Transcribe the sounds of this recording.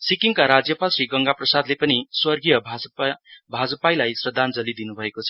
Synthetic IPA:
sikiŋkaɾad͡zjʌpalsriɡʌŋɡaprʌsad̪lepʌniswʌrɡijʌbʱ | bʱad͡zʌpajlajsrʌd̪ʱand͡zʌlid̪inubʱʌekot͡sʰʌ̥

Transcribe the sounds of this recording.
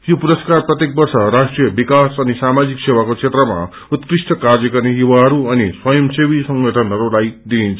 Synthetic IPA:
jopuɾʌskarprʌt̪jek̚bʌrsʌrasʈrijʌbikasʌnisamad͡ziksewakot͡sʰet̪rʌma̰ | ut̪krisʈʰʌkard͡zʌkʌrnejuwaɦʌɾuʌniswʌjʌmsewisʌŋɡʱʌʈʰʌnɦʌɾulajd̪iːnt͡sʰʌ

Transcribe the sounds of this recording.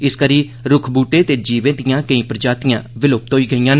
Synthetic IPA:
ɪskəɾiː | ɾʊkʰbuːʈeːt̪eːd͡ʒiːʋẽːd̪ɪjãːkə̃ĩːpɾəd͡ʒaːt̪ɪjã̰ːʋɪlʊp̚t̪oːiːɡəijãːn

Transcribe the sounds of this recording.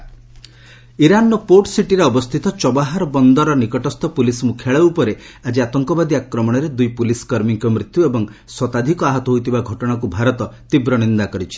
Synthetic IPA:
iɾanɔpoʈsiʈiɾeɔbɔst̪ʰit̪ɔt͡ʃɔbaɦaɾɔbɔnd̪ɔɾɔnikɔʈɔst̪ɔpulismukʰjaɭeupɔɾead͡ʒiat̪ɔŋkɔbad̪iakɾɔmɔɽ̃ɔɾed̪ujpuliskɔɾmiŋkɔmɾit̪juebɔŋswɔt̪ad̪ʱikɔaɦɔt̪ɔɦojt̪ʰibaɡʱɔʈɔɽ̃akubʱaɾɔt̪ɔt̪ibɾɔñind̪akɔɾit͡ʃʰi̥

